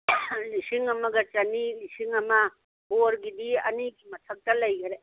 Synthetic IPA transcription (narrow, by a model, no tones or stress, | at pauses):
lisiŋɐmɐɡɐt͡ʃɐnilisiŋɐmɐ | boɾɡidiɐniɡimɐtʰɐk̚tɐlɐjɡɐɾe